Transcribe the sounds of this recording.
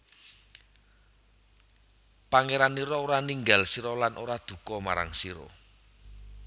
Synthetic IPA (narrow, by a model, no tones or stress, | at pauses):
paŋeɾaniɾɔoɾaniŋɡalsiɾɔlanʔoɾad̪̥ṳkɔmaɾa̰ŋsiɾɔ̰